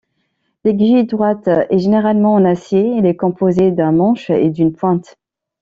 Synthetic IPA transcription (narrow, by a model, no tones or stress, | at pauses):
leɡʒid̪ʁwat̪ɛʒeneʁalmɑ̃ɑ̃nasjeɛlɛkɔ̃pozed̪ɛ̃mɑ̃ʃḛd̪ynpwɛ̃t̪